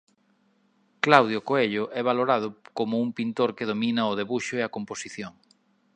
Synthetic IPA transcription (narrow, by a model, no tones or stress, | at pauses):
klawðjʊkoeʎʊʔɛβ̞aloɾaðʊkomʊuŋpint̪oɾkeð̞ominɐʊðeβuʃʊeɐkomposiθjoŋ